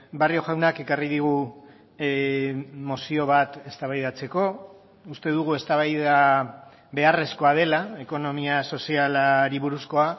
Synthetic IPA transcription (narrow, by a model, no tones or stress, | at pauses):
bario̞ʝawnake̞kariðiɣ̞u | mo̞sio̞βat̪e̞st̪aβajðat͡se̞ko̞ | ust̪e̞ðuɣ̞ue̞st̪aβajða | βe̞are̞sko̞að̞e̞lae̞ko̞no̞miaso̞sialaɾiβuɾusko̞a